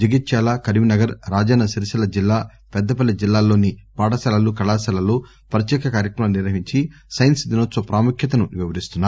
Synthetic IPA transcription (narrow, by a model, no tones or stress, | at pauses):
d͡ʒiɡit̪ʃaːlakɐɾiminɐɡɐɾɾaːd͡ʒaːnɐsiɾʃɐlɐd͡ʒilːaː | pɛd̪ːɐp̬ɐlːid͡ʒilːaːlːo̞ːnipaːʈɐsɐlɐlukɐɭaːsɐlɐloː | pɐɾɐt̪jɛːkɐkaːɾjɐkɾɐmɐniɾʋɐɦiɲt͡ʃisɐjnsd̪inot̪ːɐpɾaːmukʰjɐt̪ɐnuʋiʋɐɾist̪unːaː